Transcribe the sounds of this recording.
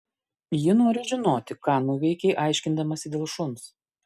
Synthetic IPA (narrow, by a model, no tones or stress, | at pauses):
jɪnoːɾʲɪʒʲɪnoːt̪ʲɪkɑːnuːʋʲɛɪkʲɛɪʔɑˑɪʃʲkʲɪnd̪ɐmɐsʲɪd̪ʲeːlˠʃʊns